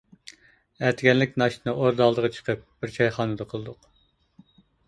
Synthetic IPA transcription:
æɾt̪ʰɪɡʲɛnlɪkʲnɑʃt̪ɨnɨʔoɾd̪ɑlˠd̪əʁət͡ʃʰə̥qʰəp̚b̥ɪɾt͡ʃʰɑjχɑːnɨd̪əqʰəlˠɨd̪ʊq

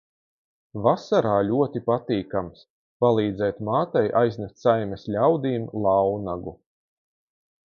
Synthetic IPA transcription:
vasaɾaːlʲuɔt̪ipat̪iːkams | palˠiːd̪zɛːt̪maːt̪ajʔajznɛst̪sajmɛslʲawd̪iːmlˠɑwnaɡu

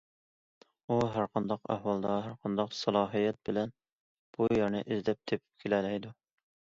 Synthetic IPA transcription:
uɦæɾqʰɑnd̪ɑqæ̰hwɑlˠd̪ɑɦæɾqʰɑnd̪ɑqsɑlˠɑːɦijɛt̪̚bɪlɛn | b̥ujæɾnɪ̰ʔɪzdlɛp̚t̪ʰepʰɪ̥p̚kʲʰelɛlɛjd̪u

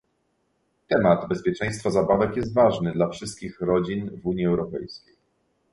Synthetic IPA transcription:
t̪ɛmad̪bɛspʲjɛt͡ʂɛ̃j̃st̪fazabavɛkjɛs̬t̪vaʐnɘd̪lafʂɘst̪̚kʲixɾɔd͡ʑinvuɲjiɛwɾɔpɛ̰jskʲej

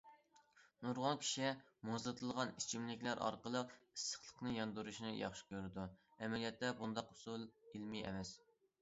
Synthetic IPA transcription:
nuɾʁɑnkʲʰi̥ʃi | mozlˠɨt̪ʰɨlˠʁɑnit͡ʃʰimlɪkʲlæɾʔɑ̰ɾqəlˠəqi̥sə̥χlˠə̥qnɨjɑnd̪uɾuʃnɨjɑ̰χʃi̥kʲøɾɪd̪uɛmɛlijɑt̪ːɛbund̪ɑqʊ̥sulˠilmiɛ̰mɛs

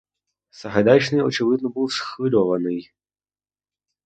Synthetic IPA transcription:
sɐɦɐd̪at͡ʃnɨjɔt͡ʃɪvɪd̪nɔbɨwˠsxvɨlʲɔʋɐnɨj

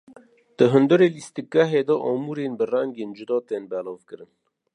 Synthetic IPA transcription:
d̪̥əɦɨnd̪ɨɾelist̪ikːæɦed̪ɔʔɔmuɾenbɨrɛŋɡeːnd͡ʒud̪ɔːt̪eːnbɛlɑːvkɨɾɨn

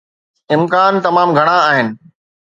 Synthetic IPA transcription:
ɪmkaːnt̪ɐmaːmɡʱɐɽ̃ãːɦɪnɪ̆

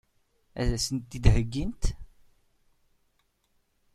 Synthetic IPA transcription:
æ̰ðæsənt̪ːid̪ɦəɡːint̪

